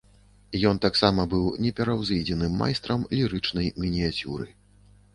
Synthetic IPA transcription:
jɔnt̪aksamɐbɨwnʲɛpʲɛɾɐwzɨd͡zʲɛnɨmːa̰jst̪ɾɐmlʲiɾɨt͡ʂnɐjmʲinʲiat͡sʲṵɾɨ̰

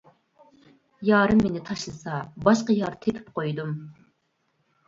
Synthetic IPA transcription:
jɑːɾɨmːenɪt̪ʰɑʃlˠɨsɑbɑʃqəjɑɾt̪ʰepʰɪ̥pqʰojd̪um

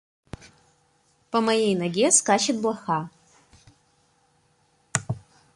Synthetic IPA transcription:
pɐmɐjejnɐɡʲeskaːʃet̪̚blˠɐxa

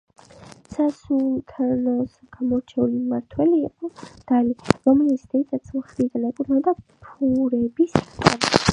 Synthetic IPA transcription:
sasult̪ʰanɔs | ɡ̥amɔɾt͡ʃʰɛulimaɾt̪ʰwɛliːqʼɔd̪̥aliɾɔmlit̪sʰd̪ɛit̪ʰat̪sʰmχɾid̪anɛkʼuɾnad̪apʰuɾɛbiskʼaɾ

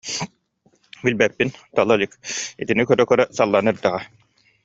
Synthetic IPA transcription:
bilʲbɛpːint̪alˠalʲikḭt̪inikœɾœkœɾœsalˠːanɯɾd̪aʁa

